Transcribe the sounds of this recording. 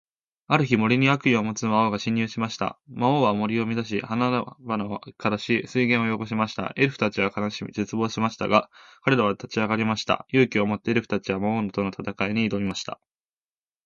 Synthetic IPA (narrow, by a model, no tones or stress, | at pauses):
aɾɯ̟çimo̞ɾʲiɲ̟iakɯ̟iomo̞t͡sɨmaoɡaɕĩɲ̟ːjɯːɕimaɕi̥t̪a̰maoːβamo̞ɾʲio̞mʲizaɕ̬ḭhanaɾabanaokaɾaɕisɨiɡẽ̞ɰ̃ojo̞ɡo̞ɕ̬imaɕi̥t̪a̰e̞ɾɯ̟ɸɯ̟̥t̪at͡ɕiβakanaɕizet͡sɨbo̞ːɕimaɕi̥t̪a̰ɡakaɾe̞ɾaβat̪at͡ɕiaɡaɾʲimaɕi̥t̪a̰jɯ̟ːkʲio̞mo̞t̪ːeeɾɯ̟ɸɯ̟̥t̪at͡ɕiβamaonot̪o̞no̞t̪at̪akaiɲ̟iːd̪o̞bʲimaɕi̥t̪a̰